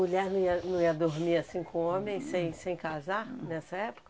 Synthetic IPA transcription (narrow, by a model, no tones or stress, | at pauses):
muʎɛɾnɐ̃iɐnɐ̃w̃iɐd̪oɾmiasĩkõõmẽj̃sẽj̃sẽj̃kazaɾnɛsɐɛpo̥kɐ